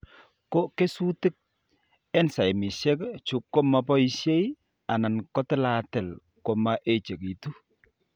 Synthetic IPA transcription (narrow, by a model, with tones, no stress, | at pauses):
ko˦ke˦su˦tɪ˦k̚ | ɛ˦nsa˨jmi˨ʃɛ˦kt͡ʃu˦kːo˦ma˨˦pɔ˦i˦ʃe˦i˦ | a˨na˨nkɔ˦tɛ˦la˨tɛ˨l | ko˨ma˦ʔe˦t͡ʃe˨ki˨tu˦